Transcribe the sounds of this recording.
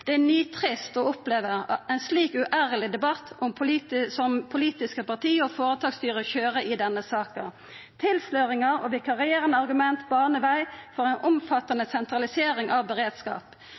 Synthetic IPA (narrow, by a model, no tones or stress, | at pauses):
d̪̥ɛænyːt̪ʰʁɪst̪ɔːʊpleːʋəʁɛɪnsliːkʉʔæːʁəlɪd̪ɛbɑt̪ːʔʊmpʰʊsɔmpʰʊliːt̪ɪskəpɑʁt̪ʰiːofoːʁət̪ʰɑːɡst̪yːʁəçøːʁəʔɪːd̪ɛnːəsɑːkə | t̪ʰɪlsløːʁɪŋəɔ̰ʋɪkɑʁɪeːʁənəɑʁɡʉmɛnt̪bɑːʁnəʋæɪfɔʁɛɪnʔʊmfɑt̪ːɑnəsɛnt̪ʁɑlɪseːʁɪŋʔɑʋbəʁeːd̪skɑ̰ːp